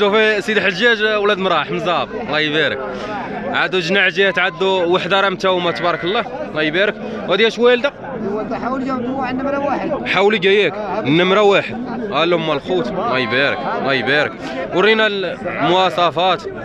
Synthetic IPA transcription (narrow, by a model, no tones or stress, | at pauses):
ʃufisid̪əħəʒæʒwlæd̪mɾˤɑħməzˤɑblɑjbæɾə̰k | ʕad̪uʒnaʕʒæt̪ʕad̪ːuwaħd̪ɑɾˤɑmt̪æwmæt̪bɑɾˤɑkəlˤːɑlɑjbæɾək | whæd̪jæʃwæld̪æ | ħawliɡæjæknːəmɾæwaħəd̪̚ʔælːmːælxut̪lɑjbæɾə̰klɑjbæɾə̰k | wəɾinælmʊɑsˤɑfɑt̪